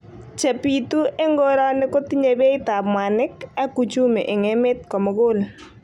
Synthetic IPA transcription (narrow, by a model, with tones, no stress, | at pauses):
t͡ʃa˨pi˨tu˦e˦ŋɡo˦ɾɔ˦nɪ˦ko˦ti˦ɲe˨be˦ɪ˦ta˨bmwa˨nɪ˦ka˦ku˨t͡ʃu˦mḛ˨ʔɪ˨ŋe˦mɪ˦tkɔ˨mɔ˨ɡo˦l